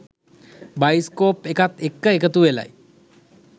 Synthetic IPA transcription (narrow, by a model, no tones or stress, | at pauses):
bajskoːpekat̪ekːəekət̪uʋela̰j